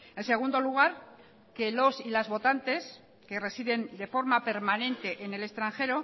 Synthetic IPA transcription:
e̞nse̞ɣ̞und̪o̞luɣ̞aɾ | ke̞lo̞silazβo̞t̪ant̪e̞s | ke̞re̞siðe̞nd̪e̞fo̞ɾmape̞ɾmanẽ̞nt̪e̞ʔene̞le̞st̪ɾaŋxe̞ɾo̞

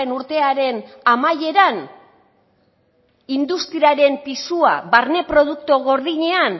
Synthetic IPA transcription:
enuɾt̪e̞aɾe̞n | amaje̞ɾan | ind̪ust̪ɾiaɾe̞mpisua̰βaɾne̞pɾo̞ð̞uk̚t̪oɣo̞ɾðiɲe̞an

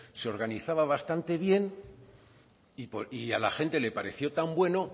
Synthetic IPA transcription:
seo̞ɾɣaniθaβaβast̪ant̪e̞βje̞n | ipoiala̰xe̞nt̪e̞le̞paɾe̞θjo̞t̪ambwe̞no̞

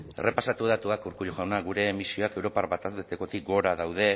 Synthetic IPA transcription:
ere̞pasat̪uð̞at̪uakuɾkuʎoʝawnaɣuɾe̞ːmisio̞ake̞wɾo̞paɾβat̪asðet̪eko̞t̪ik̚ɡo̞ɾaðawð̞e̞

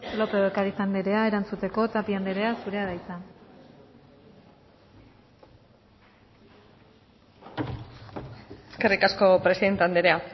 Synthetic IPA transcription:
lo̞peɣekaɾitand̪eɾe̞ae̞ɾant͡sut̪e̞ko̞t̪apiand̪eɾe̞asuɾe̞aðajt͡sa | eske̞rikasko̞pɾe̞siðe̞nt̪eand̪eɾe̞a

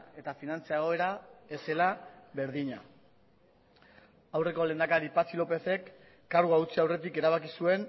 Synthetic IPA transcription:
e̞t̪afinant͡saeɣ̞o̞e̞ɾae̞se̞laβe̞ɾðiɲa | awre̞ko̞le̞nd̪akaɾipat͡silo̞pe̞θe̞kː | aɾɣuaut͡siawre̞t̪ike̞ɾaβ̞akisue̞n

